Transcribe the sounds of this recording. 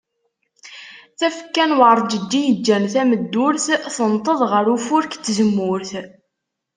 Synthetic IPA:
θæfə̥kːænwəɾˤd͡ʒəd̪ːijəd͡ʒːænθæməd̪ːʊɾθθənt̪ˤəðˤʁəɾufʊɾkt̪ːzəmːʊɾθ

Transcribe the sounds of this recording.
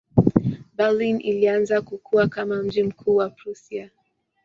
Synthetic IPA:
balinilianzakukʰuwakamam̩d͡ʒim̩kʰuːwapɾusia

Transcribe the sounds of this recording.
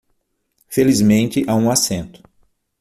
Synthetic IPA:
felizmẽnt͡ʃ̪ɪʔaũasẽnt̪ʊ̥

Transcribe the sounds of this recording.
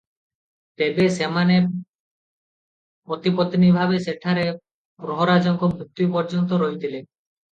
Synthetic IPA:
t̪ebesemane | pɾot̪ipot̪inibʱabeseʈʰaɾe | bɾoɦoɾad͡ʒɔŋkɔbɾut̪ːupɔɾd͡ʒɔnt̪ɔɾɔɦjt̪ʰile

